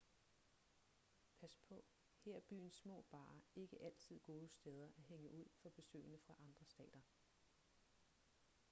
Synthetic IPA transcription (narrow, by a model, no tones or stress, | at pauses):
pʰæspʰɒ̽ | heɐ̰b̥y̰ːn̩sːmɔ̰̽ːb̥ɑ̰̈ːe̝ɡ̥əʔæl̰t͡sʰið̞̰ˠɡ̥o̝ːðˠəsd̥eð̞ˠɐʔæɐɦeŋəʔuð̞̰ˠfɒ̽b̥e̝sø̰ɪnəfʁɑ̈ʔɑ̈nd̥ʁɐsd̥ɛ̰ːd̥ɐ